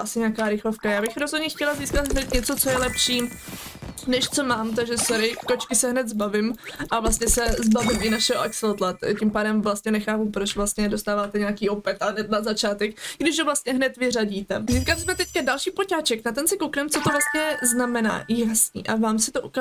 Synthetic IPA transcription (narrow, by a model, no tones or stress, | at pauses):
ʔasɪɲaːkaːɾɪxlofkajaːbɪxɾozɦo̞dɲɛxcɛlaziːskat̪ɦnɛt̪ɲɛt͡so̞t͡so̞jɛlɛpʃiː | nɛʃt͡so̞maːmt̪̬aɡʒɛsoɾɪfko̞t͡ʃkɪsɛɦnɛt̪zbavɪmʔavlast̪ɲɛsɛzbavɪmɪnaʃɛɦo̰ʔɛksɛlt̪lat̪cɪmpaːdɛmvlast̪ɲɛnɛxaːpupɾot͡ʃvlast̪ɲɛdo̞st̪aːvaːt̪ɛɲaːkiːʔo̞pɛt̪aɦnɛt̪̚nazat͡ʃaːt̪ɛkɡdɪʃɦovlast̪̚ɲɛɦnɛt̪vɪraɟiːt̪ɛziːskalɪsmɛt̪ɛckadalʃiːpocaːt͡ʃɛknat̪ɛnsɪkowknɛmt͡sot̪ovlast̪̚ɲɛznamɛna̰ːjasɲḭːʔavaːmsɪ̥t̪oʔuka